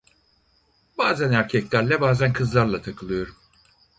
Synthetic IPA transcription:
baːzænæɾcʰɛclʲæɾlʲɛbaːzænkʰɯzlˠaɾlˠat̪ʰakʰɯlˠɯjo̞ɾum

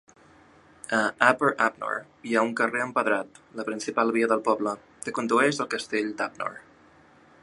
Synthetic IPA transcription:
əapəɾap̚no̰r | iauŋkəreəmpəðɾat̪ləpɾinsipalˠβiəðəlˠpɔblə | kəkund̪uɛʒəlˠkəst̪eʎd̪apno̰r

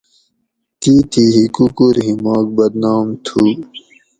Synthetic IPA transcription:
t̪iːt̪ʰiɦikukuɾɦimaːk̚bɐd̪naːmt̪ʰuː

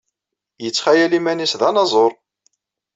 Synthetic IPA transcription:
jət͡sːχæjælimænisðɑnɑzˤoɾˤ

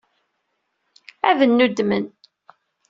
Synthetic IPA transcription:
æðənːud̪mən

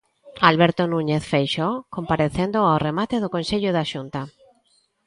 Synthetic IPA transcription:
alβeɾt̪onũɲeθfejʃokõmpaɾeθend̪oawremat̪eðokonseʎoðaʃunt̪a

